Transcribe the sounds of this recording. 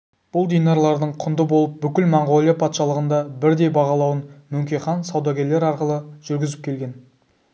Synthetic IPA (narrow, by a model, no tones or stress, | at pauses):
b̥ʊlˠd̪ijnɑɾlˠɑɾd̪əɴqʰʊnd̪əbo̞lˠəp̚bʏkʲɪlmɑɴʁo̞lˠijɑpʰɑt̪ʃɑlˠəʁənd̪ɑbɪɾd̪e̞jbɑʁɑlˠɑwənmʏŋkʲeχɑnsɑwd̪ɑɡʲe̞ɾle̞ɾɑɾqəlˠəʒ̥ʏɾɡʲɪzɪp̚kʲʰe̞lɡʲe̞n